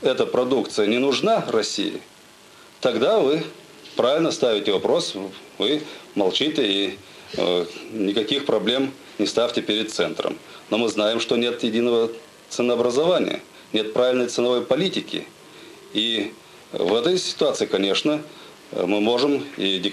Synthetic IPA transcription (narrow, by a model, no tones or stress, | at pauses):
ɛt̪əpɾɐd̪ukt̪sɨjənʲɪnʊʐnarɐsʲḭjɪ̰ | t̪ɐɡd̪avɨ | pɾavʲɪlʲnəst̪avʲɪtʲɪvɐpɾo̞s | vɨmɐlˠt͡ɕitʲɪi | nʲɪkɐkʲixpɾɐblʲe̞m | nʲɪst̪afʲtʲɪpʲɪɾʲɪt̪t̪sɛnt̪ɾə̰mno̞mɨznajɪmʂt̪o̞nʲe̞t̪jɪdʲinəvə | t̪sɨnəɐbɾəzɐvanʲɪ̰jə̰ | nʲe̞t̪̚pɾaɪlʲnəjt̪sɨnɐvo̞jpɐlʲitʲɪkʲɪ̰ | i | vɛt̪əjsʲɪ̥t̪ʊat̪sɨɪkɐnʲe̞ʂnə | mɨmo̞ʐɨmidʲɪk